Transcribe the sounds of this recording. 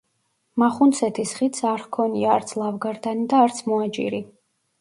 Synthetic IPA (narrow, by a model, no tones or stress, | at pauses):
maχunt̪sʰɛt̪ʰisχit̪sʰaɾχkʰɔniaːɾt̪sʰlˠavɡaɾd̪anid̪aːɾt̪sʰmɔad͡ʒʼḭɾi